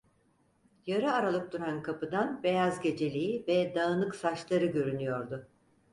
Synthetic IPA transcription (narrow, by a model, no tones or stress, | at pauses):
jaɾɯaɾalˠɯk̚d̪uɾankʰapɯd̪anbe̞jazɟe̞d͡ʒe̞lʲiivɛd̪aɯnɯksat͡ʃlˠaɾɯɟø̞ɾynyjo̞ɾd̪ʊ